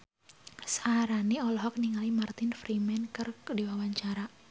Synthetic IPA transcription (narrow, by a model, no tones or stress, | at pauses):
saaɾaniɔlɔɦɔk̚niŋalimart̪ɪnfɾimɛnkɨrdiwawaɲt͡ʃaɾa